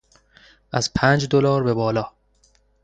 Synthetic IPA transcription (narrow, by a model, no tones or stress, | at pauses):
ʔæz̥pʰæːnd͡ʒd̪olɒːɾbe̞bɒːlɒː